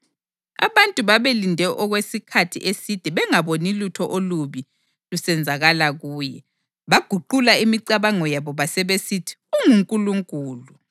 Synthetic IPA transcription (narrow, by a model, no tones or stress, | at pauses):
a̰βantʼuβaβelindʱɛʔɔɣwesikʰatʰḭʔesid̥ʱiβɛŋaβonilutʰɔʔoluβi | lusɛnd͡zʱaɣalaɣuːjɛ | βaɡ̥ʱuǃulaimiǀaβaŋɔjaβɔβasɛβesitʰi̥uŋuŋkʼuluŋkʼuːlu